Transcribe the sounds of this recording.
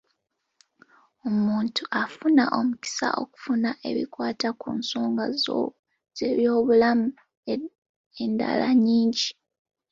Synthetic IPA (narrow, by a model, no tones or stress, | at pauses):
omuːntʰuʔafunaʔo̞muci̥sa̰ʔo̞̰ku̥funaʔe̞̰βḭkwaːtakuːnso̞ːŋɡazo̰ | z̥e̞βjo̞ːβulamu | e̞nda̰laɲiːɲɟi